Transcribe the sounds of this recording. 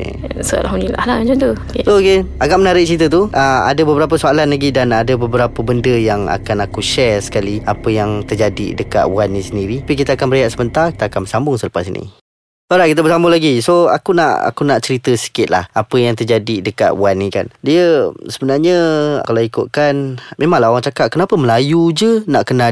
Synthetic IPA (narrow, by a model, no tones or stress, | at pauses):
soa̰lɦamnila̰hlad͡ʒunt̪ukesookeaɡaʔmənaɾɪʔ̚t͡ʃəɾit̪̬ət̪̬uʔəa̰dəbəbəɾap̬əsoalanlaɡidanadəbəbəɾapəbəndəjaŋa̰kanakuʃɛrsə̥kaliapəjaŋt̪ərd͡ʒadḭdəka̰t̪̚wanːĩsəndiɾiapik̬it̪aakanməɾajaʔ̪səbənt̪arki̥t̪akanbərsambʊŋsələpasinḭ | oɾaʔkit̪əbəsambʊlaɡisoa̰kuna̰ʔa̰kunaʔt͡ʃəɾit̪əsi̥kɪt̪̚la̰hapəjaŋt̪ərd͡ʒadidəka̰t̪̚wanːika̰ndiəsəbənarɲəkalaikʊt̪̚kanmʔẽmãŋlaɦoɾaŋt͡ʃakat̪̚kənapəməlajud͡ʒənaʔkəna